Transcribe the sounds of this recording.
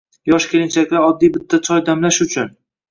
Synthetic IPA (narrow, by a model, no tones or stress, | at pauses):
jɒʃkʲeɾɪnt͡ʃʰakʲlɪɒd̪ːijbɪt̪ʰːat͡ʃʰɒjd̪amlaʃʊt͡ʃʰʊn